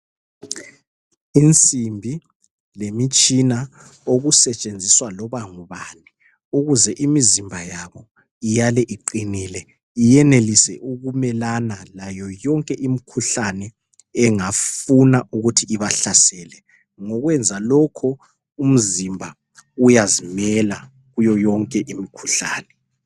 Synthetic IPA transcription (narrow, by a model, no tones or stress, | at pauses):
int͡sʼimbʱi | lemit͡ʃʼina | oɣusɛt͡ʃʼend͡zʱiswalɔβaŋuβani | uɣuzɛʔimizimbʱajaβɔ | ijalɛʔiǃiniːlɛ | ijɛnelisɛʔuɣumɛlanalajɔjɔŋkʼɛʔimikʰuɬanɛ | ɛŋafunaʔuɣutʰiiβaɬasɛːlɛ | ŋɔɣwɛnd͡zʱalɔkʰɔ | um̩zimbʱa | ujazimɛla | ɣujɔjɔŋkʼɛʔimikʰu̥ɬa̰ːnɛ